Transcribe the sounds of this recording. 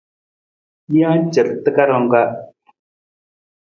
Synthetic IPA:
i˦ã˦t͡ʃə˨ɾt̪ːə˦ka˦ɾo˦˨ŋ˦ka˦

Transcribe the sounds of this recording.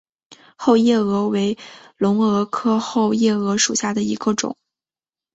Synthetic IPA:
xo˥˧ʊjɛ˥˩ɤ˧˥we˧˥ɪlʊ˧˥ŋɤ˧˥kʰɤ˥xo˥˩˧ʊjɛ˥˩ɤ˧˥ʂu˨˩ɕja˥˩d̪ə˩i˧˥ɡ̥ə˧ʈ͡ʂʊ̰˨˩˦ŋ

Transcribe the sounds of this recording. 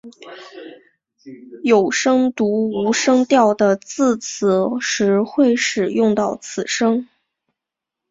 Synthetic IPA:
jo˨˩ʊʂɤ˥ŋt̪u˧˥u˧˥ʂɤ˥ŋt̪jɑ˥˩ʊd̪ə˩t͡sɹ̩˥˩t͡s̩ʰ˨˩˦ʂɻ̩˧˥xwe˥˩ɪʂɻ̩˨˩jʊ˥˧ŋt̪ɑ˥˩ʊt͡sʰɹ̩˨˩ʂɤ˥ŋ

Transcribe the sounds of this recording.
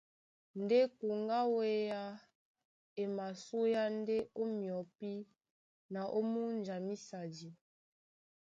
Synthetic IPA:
n˨de˦ku˨ŋɡa˦we˦ja˦ | e˨ma˨su˦ja˦n˦de˦o˦mjɔ˨˦pi˦ | na˨ʔo˦mu˦n˨d͡ʒa˨mi˦sa˨d͡ʒi˨

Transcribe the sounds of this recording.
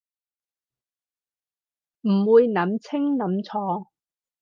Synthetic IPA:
m̩˨˩wuː˨˧jnɐ˨˥mt͡sʰɪ˥ŋnɐ˨˥mt͡sʰɔː˧

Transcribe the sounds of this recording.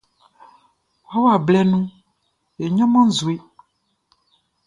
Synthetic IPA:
wa˦wa˨blɛ˦nũ˦ | e˨ɲɔ̃˦mã˦n̩˦zu˨e˦

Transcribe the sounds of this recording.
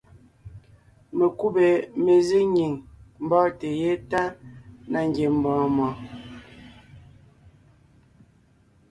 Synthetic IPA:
me˨ku˦be˨me˨zi˦ɲi˨ŋm̩˨bɔ˦te˨je˦ta˦na˨ŋ˦ɡje˨m̩˨bɔ̃ː˨mɔ˨

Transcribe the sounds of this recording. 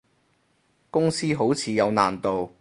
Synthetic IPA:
kʊ˥ŋsiː˥ɦo˨˥wt͡sʰiː˨˧jɐ˨˧wna̰ː˨˩nt̪o˨w

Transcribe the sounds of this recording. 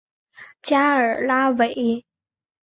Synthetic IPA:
t͡ɕja˥ə˞˨˩la˥we˨˩˦ɪ

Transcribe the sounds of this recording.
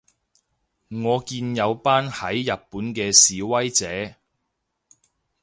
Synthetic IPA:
ŋɔː˨˧kiː˧njɐ˨˧wpaː˥nhɐ˨˥jːɐ˨t̚pːuː˨˥nkɛː˧siː˨˧wɐ˥jt͡sɛː˨˥

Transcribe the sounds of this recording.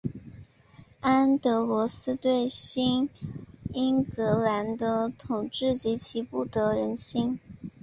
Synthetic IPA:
a˥nt̪ɤ˧˥lwɔ˧˥sɹ̩˥t̪we˥˩ɪɕi˥n | i˥ŋkɤ˧˥la˧˥nd̪ə˧t̪ʰʊ˨˩ŋʈ͡ʂɻ̩˥˩t͡ɕi˧˥t͡ɕʰi˧˥pu˥˩t̪ə˧˩˦ɻə˧˥nɕi˥n

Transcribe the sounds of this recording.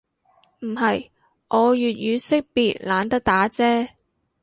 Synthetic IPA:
m̩˨˩ɦɐ˨j | ʔɔː˨˧jyː˨t̚jyː˨˧sɪ˥k̚piː˨t̚laː˨˧nt̪ɐ˥k̚t̪aː˨˥t͡sɛː˥

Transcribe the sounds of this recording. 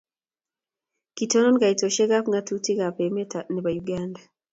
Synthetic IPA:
ki˨tɔ˦nɔ˦nɡa˨i˨to˨ʃɛ˦ɡa˦pŋatu˦ti˦ɡa˨pe˨mɛ˦ta˨nɛ˨ba˨juɡanda˨

